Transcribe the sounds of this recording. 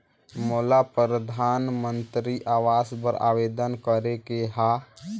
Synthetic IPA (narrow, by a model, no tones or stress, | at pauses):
molapɾəɾəd̪ʱanmənt̪ɾiʔawaspəɾa̰ʋed̪ənkəɾekeɦa